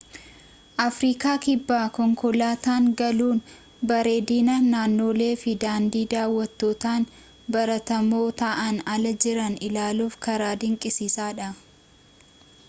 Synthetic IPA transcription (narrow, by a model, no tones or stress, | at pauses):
ʔɐfɾiːkaːkɪbːaːkɔŋkɔlaːt̪aːŋɡɐluːn | bɐɾeːd̪iːnɐnaːnːo̞ːle̞ːfɪd̪aːnd̪iːd̪aːwːɐt̪ːo̞ːt̪aːn | bɐɾɐt̪ɐmo̞ːt̪ɐʔɐnɐlɐd͡ʒɪɾɐnɪlaːluːfkɐɾaːd̪ɪŋkʼɪsiːsaːᶑɐ